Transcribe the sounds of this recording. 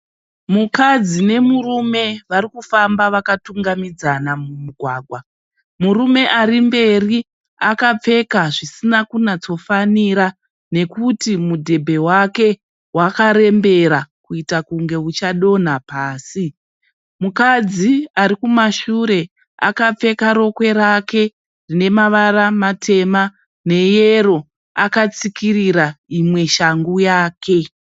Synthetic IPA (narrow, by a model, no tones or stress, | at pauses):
mukad͡zine̞murume̞ʋaɾikufambaʋakatuŋɡamid͡zanamumiɡʱwaːɡʱwa | murume̞ʔarimbe̞ri | akap͡fe̞kaʐisinakunat͡so̞faniɾa | ne̞kutimudʱe̞bʱe̞wake̞ | wakaɾe̞mbe̞ɾakuitakuŋɡe̞ut͡ʃaɗo̞n̤apaːsi | mukad͡ziaɾikumaʃuɾe̞ | a̰kap͡fe̞kaɾo̞kwe̞ɾake̞ | rine̞maʋaramatʰe̞ma | ne̞jeɾo̞ | akat͡sikiriɾaimwe̞ʃaŋɡujaːke̞